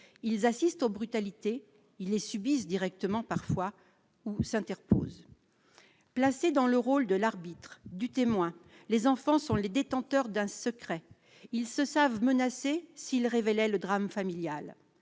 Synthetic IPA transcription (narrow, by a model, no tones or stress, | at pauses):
ilzasist̪obʁyt̪alit̪e | ilːesybisd̪iʁɛk̚t̪əmɑ̃paʁfwa | usɛ̃t̪ɛʁpo̰ːz | plased̪ɑ̃ləʁold̪əlaʁbit̪χd̪yt̪emwɛ̃lezɑ̃fɑ̃sɔ̃led̪et̪ɑ̃t̪œʁd̪ɛ̃səkχɛ | ilsəsavmənasesilʁevelɛləd̪ʁamfamiljal